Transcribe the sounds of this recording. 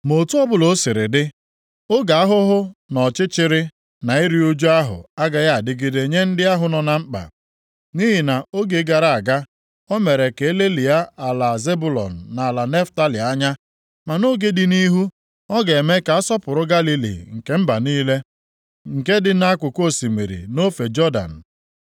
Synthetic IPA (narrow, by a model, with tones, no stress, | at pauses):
mo˨tu˦ɔ˦bʊ˨lo˨˦sɪ˨ɾɪ̰˨dɪ˦ | o˦ɡa˨a˦ɦʊ˦ɦʊ˦nɔ˨t͡ʃɪ˦t͡ʃɪ˦ɾɪ˦ | na˨i˦ɾi˦o˦d͡ʒu˦a˦ɦʊ̰˨a˦ɡa˨ja˦a˨dɪ˦ɡi˦de˨ɲe˦n̩˦dɪ˦a˦ɦʊ˨nɔ˨na˨ŋ͡m̩˦k͡pa̰˨ | ni˦ɦi˨na˨o˦ɡe˨˦ɡa˨ɾa˨a˨ɡa˦ | o˦me˨ɾe˨ke˨e˦le˦li˨a˦a˨la˨ze˦bu˦˨lɔ̰˨n̩˨na˨a˨la˨ne˦fta˦li˨a˦ɲa˦ | ma˨no˦ɡe˦dɪ˨ni˦ɦu˦ | ɔ˦ɡe˨me˦ka˨a˦sɔ˦pʊ˨ɾʊ˦ɡa˦li˦lḭ˨ŋ̩˨ke˦m̩˦ba˨niː˦le˦ | ŋ̩˨ke˦dɪ˦na˦kʷʊ˨ko˦˨si˨mḭ˨ɾḭ˨no˦fe˨d͡ʒɔ˦da̰˨n̩˨